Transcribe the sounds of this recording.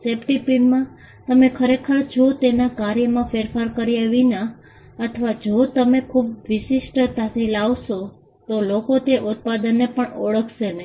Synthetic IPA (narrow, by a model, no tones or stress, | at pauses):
sepʈipinmã | t̪əmekʰəɾekʰəɾd͡ʒot̪enakaɾjəmãfeɾfaɾkəɾiaʋina | ət̪ʰəʋad͡ʒot̪əmekʰubʋɪʃɪʃʈt̪asilaʋʃo | t̪olokot̪eʔut̪̚pad̪ənːepəɳɔɭəkʰʃenə